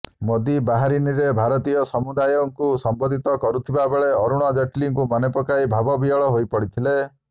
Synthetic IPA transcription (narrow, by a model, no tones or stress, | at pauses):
mod̪ibaɦaɾiniɾebʱaɾɔt̪ijɔsɔmud̪ajɔŋkusɔmbɔd̪ʱit̪ɔkɔɾut̪ʰibabeɭeɔɾuɽ̃ɔd͡ʒɔʈliŋkumɔnepɔkajbʱabɔbiɔɭɔɦojpɔɽit̪ʰile